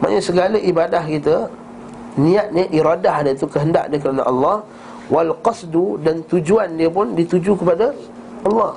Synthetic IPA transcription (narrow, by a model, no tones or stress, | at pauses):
ma̰ʔɲəsəɡalaʔibadahkit̪ə | nĩat̪̚nɲaʔiɾadahnat̪ukəɦənda̰ʔnəkəɾanə̰ʔɑlːɑh | walqɑsdudant̪ud͡ʒuandiəpʊndit̪ud͡ʒukəpada | ʔɑlːɑh